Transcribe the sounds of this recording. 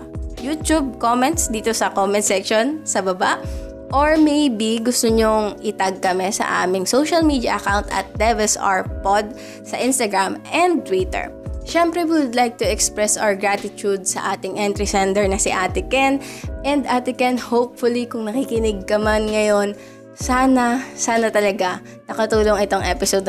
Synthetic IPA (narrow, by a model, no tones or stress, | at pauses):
juːt̪ub̚komɛ̃nt̪sd̪iːt̪osɐkomɛnt̪̚sɛkʃonsɐbɐbaʔ | ʔoɹmejbiɡʊst̪oɲoŋʔɪt̪ɐɡ̚kɐmɛsɐ̰ʔa̰ːmɪŋsowʃɐlmiːd̪jɐ̰ʔɐkawnt̪ɐ̰t̪̚d̪ɛvɛsa̰ɹpod̪̚ | sɐʔɪ̃nst̪ɐɡɹamʔɛ̃nd̪̚t̪wit̪ɛ̰ɹ | ʃɛmpɾɛwiwʊd̪lajk̚t̪ʊɛkspɹɛsʔa̰ɹɡɹat̪ɪt̪ud̪̚sɐ̰ʔaːt̪ɪŋʔɛnt̪ɾisɛnd̪ɛɹnɐsɪʔaːt̪ɪkɛnʔɛnd̪ʔat̪ɪkɛnhowpfʊlikʊŋnɐkikɪnɪɡ̚kɐmanŋɐjo̞n | saːnɐsaːnɐt̪ɐlɐɡa | nɐkɐt̪uːloŋɪt̪o̞ŋʔɛpɪsod̪